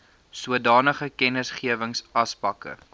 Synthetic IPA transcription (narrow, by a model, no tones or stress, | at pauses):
suədɑːnəχəkɛnəsχiəvəŋsɐspɐkə̰